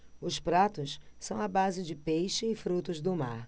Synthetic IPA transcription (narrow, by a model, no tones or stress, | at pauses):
ʊspɾat̪ʊssɐ̃w̃abazɪd͡ʒɪpejʃɪːfɾut̪ʊzd̪ʊma̰ɾ